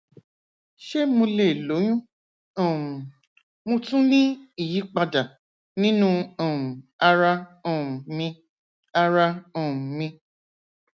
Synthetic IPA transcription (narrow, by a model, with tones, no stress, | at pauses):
ʃe˦mõ˧le˦˨lo˨˦j̃ũ˦ | õ˨ũ˨ | mõ˧tũ˦nĩ˦i˦˨ji˨˦k͡pa˧da˨ | nĩ˦nũ˦õ˨ũ˨a˧ɾa˧o˨ũ˨mĩ˧ | a˧ɾa˧õ˨mĩ˧